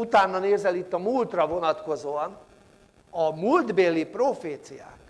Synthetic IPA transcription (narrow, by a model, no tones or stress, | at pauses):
ut̪aːnːɒneːzɛlit̪ːɒmuːlt̪rɒvo̞nɒt̪ko̞zoːɒn | ɒmuld̪beːlːiproːfeːt̪sija̰ːk